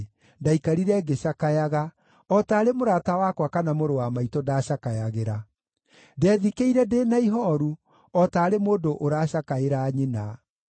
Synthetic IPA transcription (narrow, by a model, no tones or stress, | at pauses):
ndaikaɾiɾɛɡeɕakajaɣa | ɔtaːɾemoɾaːtawakwakanamoɾowamaitɔdaːɕakajaɣeɾa | dɛðikeiɾɛdeːnaiɦɔɾu | ɔtaːɾemoːdoʔoɾaːɕakaeɾaːɲena